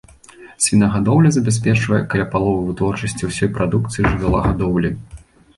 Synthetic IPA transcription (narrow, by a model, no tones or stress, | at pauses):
sʲvʲinɐɣad̪ɔwlʲɐzɐbʲas̬ʲpʲɛt͡ʂvɐjɛkɐlʲapalˠɔvɨvɨt̪vɔrt͡ʂɐsʲt͡sʲiwsʲɔjpɾad̪ukt̪sɨjiʐɨvʲalˠɐ̰ɣad̪ɔwlʲi